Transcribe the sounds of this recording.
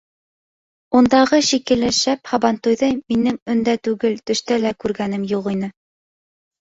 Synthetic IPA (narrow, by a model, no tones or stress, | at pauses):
und̪ɑʁɤʃikɘ̆lɘʃæphɑbɑnt̪ujðɤminɘŋɵ̆nd̪æt̪ʉɡɘlt̪ɵ̆ʃt̪ælækʉɾɡæn̪ɘmjuʁinɘ